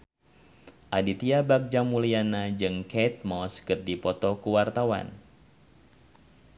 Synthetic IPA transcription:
ʔadit̪iabak̚d͡ʒamulianad͡ʒɨŋkɛt̪̚mɔskɨrdipɔt̪ɔkuwart̪awa̰n

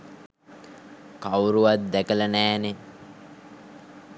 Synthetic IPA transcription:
kawɾuʋat̪̚d̪ækələnæːne

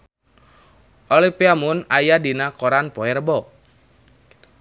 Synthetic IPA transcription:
ʔolipiamʊnajadinakoɾanpɔɛrbɔ

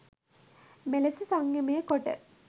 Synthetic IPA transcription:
melɐsusaŋjɐməjəkoʈə̰

